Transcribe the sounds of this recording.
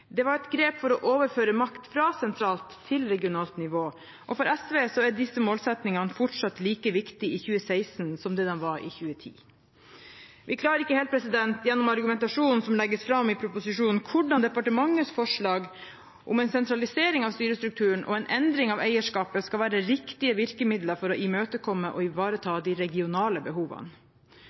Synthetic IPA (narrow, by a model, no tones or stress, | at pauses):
d̪ɛʋɑɾɛt̪ɡɾeːpfɔɾɔʔoːʋəɾføːɾəmɑkt̪fɾɑsɛnt̪ʰɾɑːlt̪ʰːɪlɾɛɡɪʊnɑːlt̪nɪʋoː | ʔɔfɔɾɛsʋeːsɔæɖɪsəmoːlsɛt̪nɪŋɑnəfɔʈʂɑt̪liːkəʋɪkt̪ɪʔɪçʉːəsæɪsnsɔmd̪ɛd̪ɛnʋɑɾɪ̰çʉːət̪ʰḭː | ʋʔɪkʰlɑːəɾɪkːəheːlt̪pʰɾɛsɪd̪ɛnt̪jɛnːʊmɑɾɡʉmɛnt̪ɑʂuːnn̩sɔmlɛɡːəsfɾɑmːɪpʰɾʊpʊsɪʂuːnn̩kʰʊɖɑnd̪ɛpɑʈəmɑŋːəsfɔʂɭɑːɡ | ʔʊmɛɪnsɛnt̪ɾɑlɪseːɾɪŋɑʋst̪yːɾəst̪ɾʉk̚t̪ʰʉːəɳ̩ʔɔ̰ɛnʔɛnd̪ɾɪŋɑʋæɪəʂkɑːpəskɑlʋæːɾəɾɪkt̪ɪəʋɪɾkəmɪd̪ləɾfɔɾɔʔɪmøːt̪əkʰɔmːəʔɔɪʋɑːɾət̪ʰɑːd̪iɪɾɛɡɪʊnɑːləbəɦuːʋɑ̰n